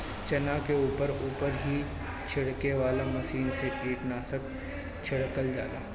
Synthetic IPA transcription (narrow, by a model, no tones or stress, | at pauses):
t͡ʃɐnakeuːpəɾuːpəɾɦi | t͡ʃʰɪɽkeʋaːlamɐsiːnset̪iːʈnaːsək | t͡ʃʰɪɽkəld͡ʒa̰ːlaː